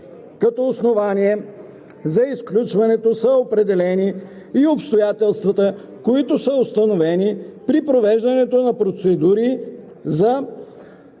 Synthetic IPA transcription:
kɐt̪ɔːsnovaniɛ | zɐisklʲut͡ʃvɐnɛt̪osəopɾɛd̪ɛlɛniː | opst̪ojat̪ɛlˠst̪vɐt̪ə | koit̪ʊsəʊst̪ɐnovɛnipɾipɾovɛʒd̪ɐnɛt̪onɐpɾot̪sɛd̪uɾi | zɐ

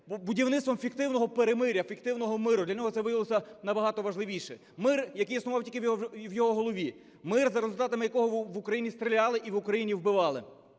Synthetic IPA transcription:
budʲiwnɪtst̪ʋɔmfʲikt̪ɪwnɔɦɔpeɾemɪɾʲːɐfʲik̚t̪ɪwnɔɦɔmɪɾʊd̪lʲɐnʲɔɦɔt̪sɛʋɪjɐɪlˠɔsʲɐnɐbɐɦɑt̪ɔʋɐʒlˠɪʋʲiʃɛ | mɪrjɐkɪjisnʊʋɑwtʲilʲkɪʋjɔɦɔɦɔlˠɔʋʲi | mɪrzɐɾezʊlʲt̪ɑt̪ɐmɪjɐkɔɦɔʋʊkɾɐjinʲist̪ɾʲɪlʲɑlˠɪʔiʋʊkɾɐjinʲiwbɪʋɑlˠɪ

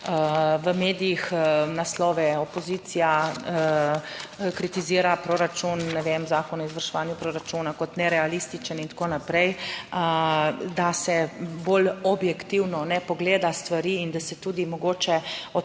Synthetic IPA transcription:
əʋəmeːd̪ijixnaslɔʋɛɔpɔziːt̪sijaə | kɾit̪iziːɾapɾoɾat͡ʃunːɛʋemzaːkɔnɔizʋaɾʃɛʋaːnjupɾoːɾat͡ʃuːnakɔt̪nɛɾɛalist̪it͡ʃənint̪koːnapɾɛjəd̪asɛbolɔbjɛkt̪iwnɔnɛpɔɡleːd̪ast̪ʋaɾiːind̪asɛt̪uːd̪imɔɡoːt͡ʃɛɔ

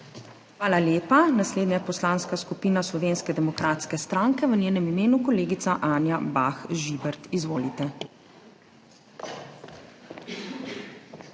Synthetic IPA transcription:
xʋaːlaljeːpanasleːd̪ɲaɛpɔslaːnskaskupiːnaslɔʋeːnskɛd̪ɛmɔkɾat̪skɛst̪ɾaːŋkɛʋənʲeːnɛmimeːnukɔleːɡit̪saʔaːnjabaxʒibɛɾt̪izʋoːlit̪ɛ

